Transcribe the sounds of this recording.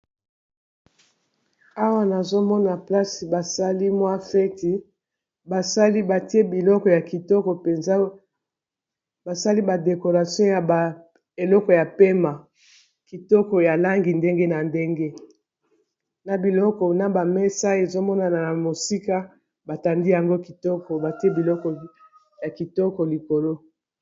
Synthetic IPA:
a˦wa˦na˨zo˦mɔ˦na˨pla˦si˨ba˨sa˦li˦mwa˦fɛ˦ti˨ | ba˨sa˦li˦ba˨ti˦e˦bi˨lɔ˦kɔ˨ja˨ki˨tɔ˦kɔ˨pe˨nza˦ | ba˨sa˦li˦ba˨de˨ko˨ʁa˨sjɔ̃˦ja˨ba˨ | e˨lɔ˦kɔ˨ja˨pe˦ma˨ | ki˨tɔ˦kɔ˨ja˨la˦ŋɡi˨nde˦ŋɡe˦na˨nde˦ŋɡe˦ | na˨bi˨lɔ˦kɔ˨na˨ba˨mɛ˦sa˦e˨zo˦mɔ˦na˨na˨na˨mo˨si˦ka˦ | ba˨ta˨ndi˦ja˨ŋɡo˦ki˨tɔ˦kɔ˨ba˨ti˦e˦bi˨lɔ˦kɔ˨ | ja˨ki˨tɔ˦kɔ˨li˨ko˨lo˦

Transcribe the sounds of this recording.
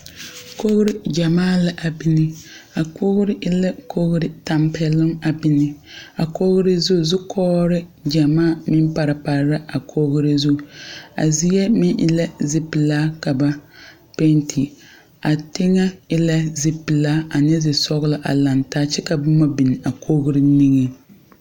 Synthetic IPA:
ko˦ɣɾɪ˦d͡ʒa˨maː˦˨la˦ʔa˨bi˦nɪ˦a˨ko˦ɣɾɪ˦ʔɪ˦la˦kʰo˦ɣɾɪ˦ta˨mpʰɛ˨lɪ˦ŋa˨bi˦nɪ˦a˨ko˦ɣʊ˦ɾɪ˦zu˦˨zʊ˦kʰɔː˦ɾɪ˦d͡ʒa˨maː˦˨mɪ˦mpa˨ɾa˨pa˨ɾɾa˦ʔa˨kʰo˦ɣʊ˦ɾɪ˦zu˦˨a̰˨zi˦jɛ˦mɪ˦nʔɪ̰˦la˦zɪ˦pɪ˨laː˦ka˨ba˦ | pe˦ntʰi˨ | a˨tɪ˦ŋa˦ɪ˦la˦zɪ˦pɪ˨laː˦a˨nɛ˦zɪ˨sɔ˦ɣʊ˦lɪ˨˦ʔa̰˨la˨ntaː˦t͡ʃɛ˦ka˨bʊ˦ma˦bi˨ni˨a˨kʰo˦ɣʊ˦ɾɪ˦ni˦ŋɛ˦

